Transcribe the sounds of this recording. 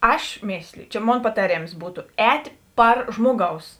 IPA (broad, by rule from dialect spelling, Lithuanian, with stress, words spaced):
ˈɐʃ ˈmʲeːsʲlʲɪjʊ t͡ʃʲɛ ˈmoːn pɐtɐˈrʲeːms ˈbuːtʊ ˈɛːtʲeː ˈpɐr ˈʒmoːˌɡɐʊs